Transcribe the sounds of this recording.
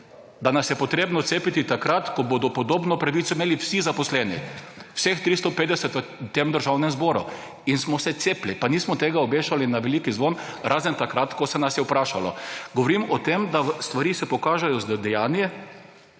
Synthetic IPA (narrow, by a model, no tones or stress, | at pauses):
d̪anasjɛpɔt̪ɾeːbnɔt̪seːpit̪it̪akɾat̪kɔboːd̪ɔpɔd̪oːbnɔpɾaʋit̪sɔimeːliwsizapɔslɛnḭwsext̪ɾist̪ɔpeːd̪ɛsɛt̪ʋət̪ːeːmd̪əɾʒawnɛmzboːɾṵ | insmɔsɛt̪seːplipaniːsmɔt̪eːɡaɔbeːʃalinaʋeliːkizʋonɾʔaːzənt̪akɾat̪kɔsɛnasjɛwpɾaːʃalɔ̰ɡoɔʋɔɾimɔt̪emd̪ast̪ʋaɾiːsɛpɔkaːʒɛjɔzd̪ɛjaːnjɛ